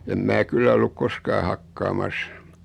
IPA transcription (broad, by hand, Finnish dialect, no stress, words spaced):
em mæː kylːæ olːuk koskɑː hɑkːɑːmɑs